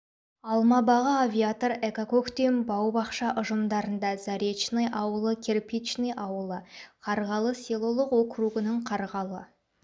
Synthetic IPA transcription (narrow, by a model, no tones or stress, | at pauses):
ɑlˠmɑbɑʁəavʲijat̪oɾekakokt̪embɑwbɑqʃɑʔʊʒəmd̪ɑɾənd̪ɑzɑɾʲet͡ʃnɨjʔɑwəlˠəkʲʰerpit͡ʃnejʔɑwəlˠəqʰɑɾʁɑlˠəselˠolˠəqwokruɡənəɴqʰɑɾʁɑlˠə